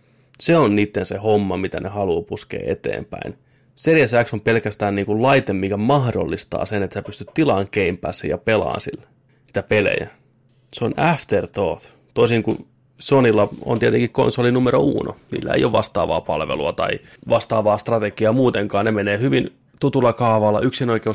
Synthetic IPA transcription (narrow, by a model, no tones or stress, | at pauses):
seonniːt̪ːensehomːɑmit̪ænʔehɑluːpuskḛːḛt̪ḛːmpæ̰in | serjæsæksompelkæst̪æːnniːŋkullɑit̪emmikæmɑhdo̰lːist̪ɑ̰ːsenet̪seːpyst̪yt̪t̪ilɑŋkeimpˑæ̰ːsːḛjɑpelɑ̰ːnsḭlːe | niːt̪æpelḛjæ̰ | seonæft̪ert̪o̰ːθ | t̪oisiŋku | sonilːɑo̰nt̪iet̪eŋkikko̰nsolːinumeɾoṵːno̰nḭːlːæ̰ḛijoʋɑ̰st̪ɑ̰ːʋɑ̰ːpɑlʋḛluɑt̪ɑ̰i | ʋɑst̪ɑːʋɑːst̪rɑt̪ekiɑmuːt̪eŋkɑːnnemeneːhyʋin | t̪ut̪ulːɑkɑːʋɑlːɑʔyksinoikeu